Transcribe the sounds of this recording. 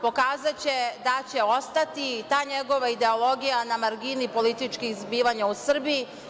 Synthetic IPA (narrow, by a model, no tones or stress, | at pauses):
po̞kaːzat͡ɕe̞d̪at͡ɕe̞o̞st̪at̪it̪aːɲe̞ɡo̞ʋaid̪e̞o̞lˠo̞ɡijanamaɾɡinipo̞lit̪it͡ʃkixzbiːʋaɲausr̩biː